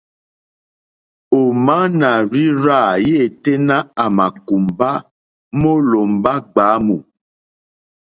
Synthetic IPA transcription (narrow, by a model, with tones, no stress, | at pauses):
o˨ma˦na˨ɾi˦ɾa˦˨je˦˨te˦nã˦a˨ma˨ku˨mba˦ | mo˦lo˨mba˦ɡ͡baː˨˦mu˨